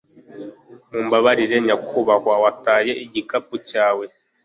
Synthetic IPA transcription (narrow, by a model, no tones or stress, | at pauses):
mumbaβaɾiɾeɲakʰuβakwawatajeiɟikapucaːwe